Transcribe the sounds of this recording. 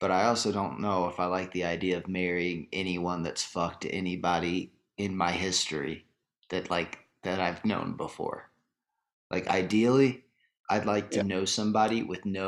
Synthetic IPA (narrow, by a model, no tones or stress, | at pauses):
b̥ʌɾaɪɔlˠsoʊdõʊ̃nːoʊəfaɪlaɪk̚ðiaɪdiɨʌvmɛɹiɪ̃ŋɛniwʌ̃nðɨtsfʌk̚tʰɨ̰ʔɛnibɑɾi | ɨ̃nmaɪɦɪstɹ̥ḭ | ðɨtˡlaɪk̚ | ðɨɾaɪvnõ̰ʊ̃nbəfɔ̰ɹ | lʔa̰ɪka̰ɪdil̩ˠi | ʔaɪdˡlaɪk̚tʰɨnoʊsʌ̃mbɑɾiwɪðno